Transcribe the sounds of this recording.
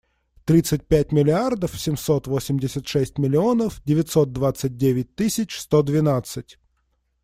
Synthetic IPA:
t̪ɾʲit̪sɨt̚ʲpʲætʲmʲɪlʲɪard̪əfsʲɪmso̞t̪vo̞sʲɪmʲdʲɪsʲət̪ʂɛsʲtʲmʲɪlʲɪo̞nəfdʲɪvʲɪtʲso̞t̪̚d̪vat̪sɨt̚ʲdʲevʲɪt̚ʲt̪ɨsʲɪt͡ɕst̪o̞d̪vʲɪnat̪sɨtʲ

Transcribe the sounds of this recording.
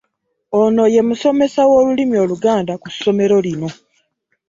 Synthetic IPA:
ono̞je̞muso̞me̞sawo̞ːlulimio̞ːluɡaːndakusːo̞me̞ɾo̞lino̞

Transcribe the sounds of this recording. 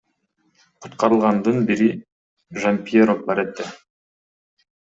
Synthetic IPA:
qʰu̥t̪qɑɾɯlˠʁɑnd̪ɯnbiɾi | ʒampʲieɾofbɑɾet̪ːe

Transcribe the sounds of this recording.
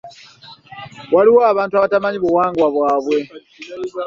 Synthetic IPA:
waliwo̞aβaːntuaβatamaɲiβuwaːŋɡwaβwaːβwe̞

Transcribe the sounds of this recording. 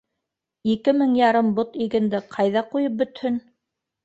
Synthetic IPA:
ikɘmɘŋjɑɾɤmbot̪iɡɘ̆nd̪ɘqʰɑjðɑqujɤp̚bɵ̆t̪hɵn

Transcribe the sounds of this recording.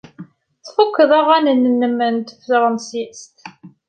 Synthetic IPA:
θfukːəðˤɑʁænənːənːəmːənt̪əfəɾˤənsist̪

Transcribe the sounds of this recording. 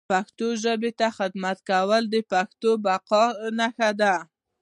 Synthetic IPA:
paxt̪oʒəbet̪axɪd̪mat̪kawəld̪əpaxt̪obaqɑnaxad̪a

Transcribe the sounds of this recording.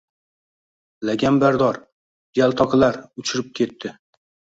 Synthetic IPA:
laɡʲambaɾd̪ɒɾ | jalˠt̪ʰɒqʰlaɾʊt͡ʃʰɪɾɪp̚kʲʰe̞t̪ʰːɪ

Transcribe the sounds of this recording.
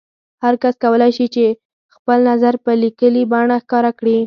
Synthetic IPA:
haɾkaskawəlajʃit͡ʃe | xpəlnazaɾpəlikəlibɑɳaxkɑɾakɽi

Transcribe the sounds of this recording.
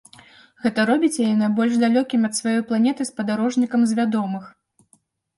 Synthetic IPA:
ɣɛt̪ɐɾɔbʲit͡sʲjajɛnabɔlʲʐd̪alʲɔkʲimʲɐt̪svajɔjplˠanʲɛt̪ɨspɐd̪aɾɔʐnʲikɐmzʲvʲad̪ɔmɨx

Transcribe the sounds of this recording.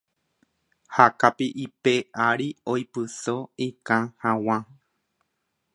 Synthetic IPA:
hakapiʔipeʔaɾiojpɨsoikãhãw̃ã

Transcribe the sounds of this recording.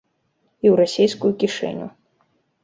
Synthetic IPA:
iwɾasʲejskujukʲiʂɛ̰nʲṵ

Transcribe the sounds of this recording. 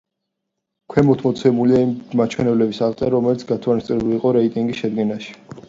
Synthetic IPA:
kʰwɛmɔt̪ʰmɔt̪sʰɛmuliaiːat͡ʃʰwɛnɛblɛbisalt̪ʼɛɾɔmɛlit̪sʰɡat̪ʰwanist̪sʼɾɛbuliːqʼɔɾɛit̪ʼiŋɡisʃɛd̪ɡɛnaʃi̥

